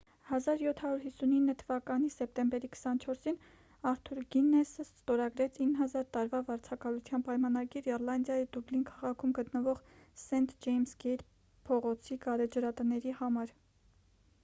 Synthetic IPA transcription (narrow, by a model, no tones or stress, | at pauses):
hɑzɑɾjɔt̪ʰhɑɾuɾɦisːuninːət̪ʰəvɑkɑnisɛp̚t̪ɛmbɛɾikʰə̥sɑnt͡ʃʰɔɾsin | ɑɾt̪ʰuɾɡinːɛsəst̪ɔɾɑɡɾɛt͡sʰinːɦɑzɑɾt̪ɑɾvɑvɑɾt͡sʰɑkɑlut͡sʰjɑnpɑjmɑnɑɡiɾɛɾlɑnd̪jɑjid̪ublinkʰɑʁɑkʰumɡət̪nəvɔʁsɛnt̪d͡ʒɛjmsɡɛɾ | pʰɔʁɔt͡sʰiɡɑɾɛd͡ʒəɾɑt̪ənɛɾihɑmɑɾ